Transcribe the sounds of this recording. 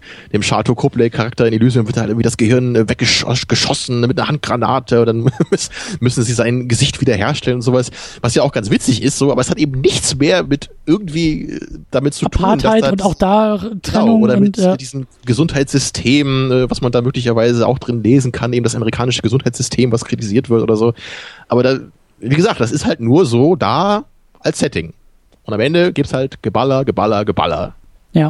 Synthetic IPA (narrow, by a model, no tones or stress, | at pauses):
d̥eːmʃa̰ɐtʰokʰoplɛɪkʰaʁak̚tɐɪndilyːzmvɪɐthaltʔɪɡŋ̩vidasɡ̥əhɪɐnːvɛk̚ɡ̥əʃɡ̥əʃɔsn̩nəmɪt̚nɐhant̚ɡ̥ʁana̰ːtʰəʊntd̥ansmʏsn̩ziːzaɪnɡəzɪçtv̥iːdɐɦḛːɐʃtʰɛlənʊntz̥oːvasvasjaːaʊxɡ̥ant͡sv̥ɪt͡sɪçɪstz̥oːʔaːbɐɛshatʔeːb̚m̩nɪçt͡smeːɐmɪtʔɪɐɡ̚ŋ̩tv̥iːɛ̰d̥amɪtt͡sutʰuːndaaɪtʊnaʊd̥ḁːənɛaʊʊŋoːɾɐmɪtːd̥iːzəm̩ | ɡəzʊnthaɪtz̥ʏstʰeːmʔɛːvasmandaːmøːklɪç̬ɐvaɪzəa̰ʊxd̥ʁɪnleːzn̩kʰanʔeːbm̩das̬ʔameʁikʰaːnɪʃəɡəzʊnthaɪtt͡sz̥ʏstʰeːmvaskʁ̥itiziːɐtv̥ɪɐtʔoːdɐzoːʔaːbɐdaː | viːɡəzaːkt̚d̥as̬ɪsthaltnuːɐzoːdaː | ʔalssɛtɪŋ | ʔʊntamʔɛndəɡiːpshaltɡ̥əbalɐɡəbalɐɡəba̰lɐ̰ | jaː